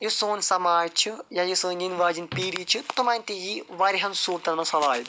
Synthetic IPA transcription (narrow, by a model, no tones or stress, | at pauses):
jusoːnsɐmaːt͡ʃʰɨjɐjisɨːninʋaːd͡ʒinpiːɾit͡ʃʰːɨt̪umaːjnʲt̪ijiʋɐɾiɦɐnsuːɾt̪ɐnmɐsɐlaːjid̪ɨ